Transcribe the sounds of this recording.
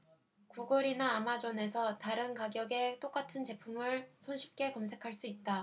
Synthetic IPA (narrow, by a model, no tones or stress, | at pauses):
kuɡʌɾinaːmad͡ʑʌne̞sʰʌtaɾɯnkaɡjʌɡe̞t͈ok͈atʰɯnt͡ɕe̞pʰumɯɭsʰonɕʰi̥p̚k͈e̞kʌmsʰe̞kʰaɭs͈uit̚t͈a